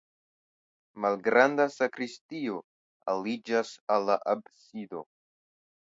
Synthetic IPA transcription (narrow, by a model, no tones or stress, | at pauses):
malɡɾandasakɾistio̞ | alid͡ʒasalːaʔab̚sido̞